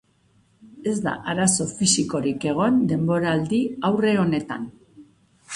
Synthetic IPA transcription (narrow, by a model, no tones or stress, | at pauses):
e̞zd̪a̰ʔaɾaso̞fisiko̞ɾike̞ɣ̞o̞nd̪e̞mbo̞ɾaːld̪iawre̞o̞ne̞t̪an